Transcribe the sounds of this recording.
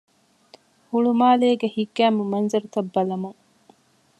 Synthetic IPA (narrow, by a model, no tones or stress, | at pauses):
huɭumaːleːɡehiɡːæːmumɐnzɐɾut̪ɐbːɐlɐmuŋ